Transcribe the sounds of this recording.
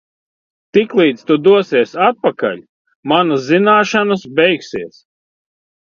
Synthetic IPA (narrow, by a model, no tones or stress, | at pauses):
t̪iklˠiːd̪st̪ud̪uɔsiɛsat̪̚paka̰lʲ | manaszinaːʃanasbʲɛjksiɛs